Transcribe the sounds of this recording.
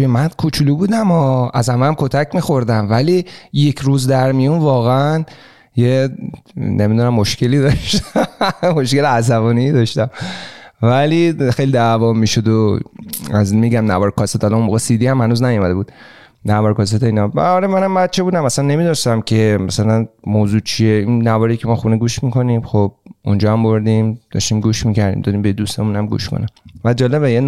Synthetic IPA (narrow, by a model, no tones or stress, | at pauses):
t̪ujemænd̪kʰut͡ʃʰulubuːd̪æmɒæzhæmææmkʰot̪ʰækmiːxo̞ɾd̪æmvæliːje̞cʰɾuːzd̪æɾmijunvɒːɣeæn | je | nʔemid̪unæmːoʃkʰe̞liːd̪ɒʃt̪ | moʃke̞leæzævɔːniːd̪ɒʃt̪æmvælixejlid̪ævɒːmiːʃod̪o | æzmiɡæmnævɒɾkʰɒset̪ɒlɒnunmoːɣesid̪iːhæmhænuːznæjomæd̪e̞buːd̪̥ | nævɒːɾkʰɒs̬et̪ʰeiːnɒmːɾemænæmbæd̪̚t͡ʃʰe̞buːd̪æmæsænːe̞miːd̪ɔʃt̪æmcʰe̞mæsælænmoːzuːt͡ʃʰieinːævɒːɾekʰcʰemɒːxuneɡuːʃmikʰo̞nimxob̥̚und͡ʒɒːhæmboɾd̪imd̪̥ɒ̰ʃt̪iːmɡuːʃmicʰæɾd̪ḭmd̪ɒːd̪iːmbed̪ust̪emunæmɡṵːʃkʰo̰næmvæd͡ʒɒːleβejen